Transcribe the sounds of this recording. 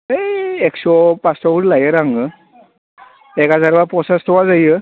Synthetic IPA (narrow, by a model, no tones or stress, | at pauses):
eeksɔpastɔbuɾlajəɾaŋɡə | ekad͡zaɾbapɔsastʰɔwad͡zajə